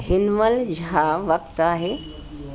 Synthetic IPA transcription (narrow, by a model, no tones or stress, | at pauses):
ɦɪnʋəld͡ʑʱɦaʋəkt̪aːɦe